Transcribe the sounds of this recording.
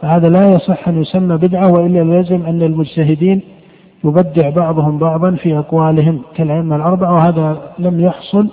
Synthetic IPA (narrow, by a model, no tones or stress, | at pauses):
fahaːðalajɑsˤɨħːʔanjʊsamːabɪd̪ʕawɪʔɪlːallazɪmʔanːalmʊd͡ʒt̪aɦɪd̪iːn | jʊbad̪ːɪʕbɑʕðˤʊhʊmbɑʕðˤɑnfiʔɑqwaːlɪɦɪmkalʔaɪmːalʔɑɾˤbaʕawɪhaːðalamjɑħsˤʊl